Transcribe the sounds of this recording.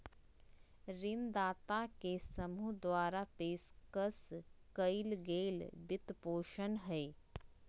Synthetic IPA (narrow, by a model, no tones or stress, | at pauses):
ɾɪnd̪aːt̪akesəmud̪waːɾapeːskəskəɪlɡeːlbɪt̪poːʃənɦɛː